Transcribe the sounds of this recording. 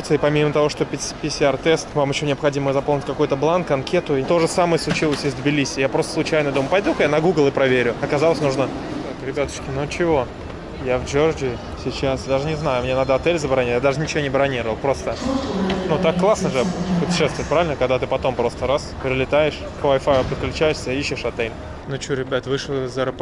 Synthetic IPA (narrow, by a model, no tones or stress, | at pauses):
t̪sɨɪpɐmʲimət̪ɐvo̞ʂt̪opʲɪpʲɪsʲart̪ɛst̪vamjɪɕːo̞nʲɪɐpxɐdʲiməəzɐponʲɪtʲkɐko̞jt̪əblˠankɐnkʲe̞t̪ʊt̪o̞ʐɨsaməjəslˠʊt͡ɕilˠəsʲɪzd̪bʲɪlʲisʲɪjapɾost̪əslˠʊt͡ɕæjnəd̪oməpɐjd̪ukjanɐɡuɡlˠɨpɾɐvʲeɾʲʊɐkɐzalˠəsʲnuʐnə | kakɾʲɪbʲat̪ə̥kʲɪnut͡ɕɪvo̞ | javd͡ʒord͡ʒɪɪ | sʲɪt͡ɕasd̪aʐɨnʲɪznajʊmʲnʲenad̪əɐt̪ɛlʲzəbɾɐnʲijad̪aʐɨnʲɪt͡ɕɪvʲonʲɪbɾɐnʲiɾəvəlˠpɾo̞st̪ənut̪akːlˠasnəʐɨpʊtʲɪ̥ʂɛst̪vʊɪt̪̚ʲpɾavʲɪlʲnəkɐɡd̪at̪ɨpɐt̪o̞mpɾo̞st̪əɾaspʲɾʲɪlʲɪt̪ajɪʂ | kvajfajpɾʲɪklʲʉt͡ɕæjʊsʲsʲəiɕːɪʂɐt̪ɛlʲ | nʊt͡ɕoɾʲɪbʲat̪vɨʂlˠzəɾəp